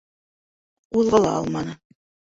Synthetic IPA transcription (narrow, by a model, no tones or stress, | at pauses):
uðˠʁɤlˠɑ̰ɑ̰lˠmɑnɤ